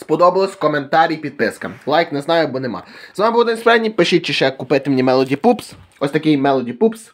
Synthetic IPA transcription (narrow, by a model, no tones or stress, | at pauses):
spɔd̪ɔbɐlˠɔsʲkɔment̪ɑɾʲijpʲid̪̚pɪskɐlˠɑjknɛznɑjʊbɔnemɑ̰zɑmɪbuwˠd̪ɐnʲspɔɾɛdʲnʲipeʃit͡ʃɪʃɛkʊpɪt̪ɪmnʲimɛlˠɔdʲipups | ɔsʲt̪ɐkɪjmɛlˠɔdʲipups